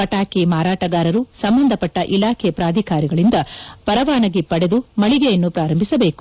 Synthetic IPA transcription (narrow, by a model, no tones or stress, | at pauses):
ɐʈaːkimaːɾaːʈɐɡaːɾɐɾusɐmbɐnd̪ʱɐpɐʈːɐʔilaːkʰepɾaːd̪ʱikaːɾiɡɐɭind̪ɐpɐɾɐʋaːnɐɡepɐɽed̪umɐɭiɡejɐnːupɾaːɾɐmbʱisɐbe̞ːku̥